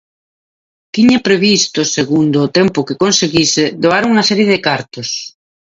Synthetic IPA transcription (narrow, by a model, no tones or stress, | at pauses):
t̪iɲapɾeβist̪ʊseɣund̪ʊːt̪ɛmpʊkɪkonseɣisɪðoaɾuŋɐsɛɾjeðɪkaɾt̪ʊs